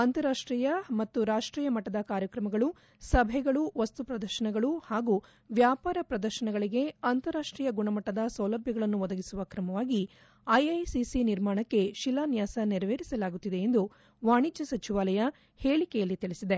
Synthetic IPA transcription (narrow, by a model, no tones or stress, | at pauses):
ɐnt̪ɐɾaːʂʈɾiːjɐmɐt̪ːuɾaːʂʈɾiːjɐmɐʈːɐd̪ɐkaːɾjɐkɾɐmɐɡɐɭu | sɐbʱɛɡɐɭuʋɐst̪upɾɐd̪ɐɾʃɐɳɐɡɐɭuhaːɡu | ʋjaːpaːɾɐpɾɐd̪ɐɾʃɐɳɐɡɐɭiɡe̞ɐnt̪ɐɾaːʂʈɾiːjɐɡuɳɐmɐʈːɐd̪ɐsɐwlɐbʱjɐɡɐɭɐnːuʋɔd̪ɐɡisuʋɐkɾɐmɐʋaːɡi | ɐjɐjsisiniɾmaːɳɐkːe̞ʃilːaːnjaːsɐniɾɐʋeːɾisɐlaːɡut̪ːid̪eend̪u | ʋaːɳid͡ʒɐsɐt͡ʃiʋaːlɐjɐ | heːɭikɛjɐlːit̪iɭisid̪e̞